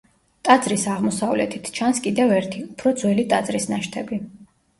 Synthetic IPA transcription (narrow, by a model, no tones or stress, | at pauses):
t̪ʼad̪zɾisaʁmɔsavlɛ̰t̪ʰit̪ʰt͡ʃʰanskʼid̪ɛvɛɾt̪ʰiupʰɾɔd̪zwɛlit̪ʼad̪zɾisnaʃt̪ʰɛbi